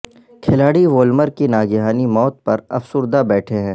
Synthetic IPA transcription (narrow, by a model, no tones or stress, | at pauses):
kʰɪlaːɽiʋoːlməɾkinaːɡɪɦaːnimɔːt̪̚pɐɾɐ̰fsʊɾd̪abɛːʈʰeɦɛ̃ː